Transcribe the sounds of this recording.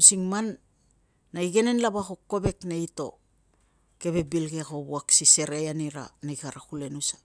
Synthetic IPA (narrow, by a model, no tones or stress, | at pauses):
usiŋmanː | aiɡe̞nenlaβaxokːo̞be̞kneito̞̰ | ke̞βe̞bilɡeko̞buaksise̞ɾejaniɾa̰najkaɾakule̞nusḁ